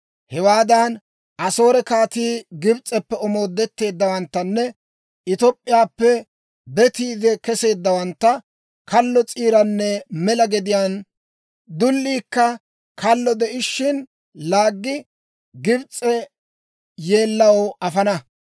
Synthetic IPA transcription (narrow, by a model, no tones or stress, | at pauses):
hɛwaːd̪ɐn | ʔɐso̞ːɾɛkaːt̪iːɡɪbt͡sʼːɛpːɛɔmo̞ːd̪ːɛt̪ːe̞ːd̪ːɐwɐnt̪ːɐnːɛ | ɪt̪ɔpʼːɪjaːpːɛ | bɛt̪iːd̪ɛkɛse̞ːd̪ːɐwɐnt̪ːɐ | kɐlːɔt͡sʼiːɾɐnːɛmɛlɐɡɛd̪ɪjaːn | d̪ʊlːiːkːɐ | kʰɐlːɔd̪ɛʔɪʃːɪn | laːɡːɪ | ɡɪbt͡sʼːɛ | je̞ːlːɐwɐfɐnɐ